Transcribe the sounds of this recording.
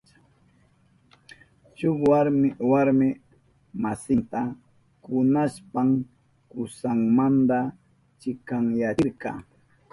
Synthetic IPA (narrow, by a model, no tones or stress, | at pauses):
t͡ʃʊwaɾmɪwaɾmɪ | masɪnt̪a | kʊnaspaŋ | kʊsaŋmand̪a | t͡ʃɪkaŋjaɪɾkɑ̰